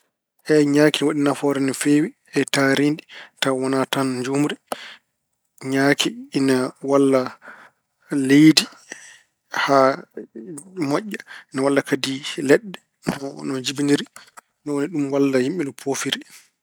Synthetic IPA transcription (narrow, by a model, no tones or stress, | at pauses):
ʔɛɲaːkiwaɗinafɔɾɛnɛfewi | ɛtaɾinditawɔnatand͡ʒumuɾi | ɲaːkʰiːnawalːa | lejdi | ha | mɔʔːainawalːakadilɛɗːɛ | nɔd͡ʒibiniɾi | nɔwoniɗumwalːahimɓinɔpʰofiɾi